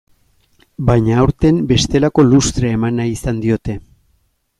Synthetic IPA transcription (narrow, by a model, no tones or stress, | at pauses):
bajɲaːwɾt̪e̞mbe̞st̪e̞lako̞lust̪ɾeːmanaisand̪io̞t̪e̞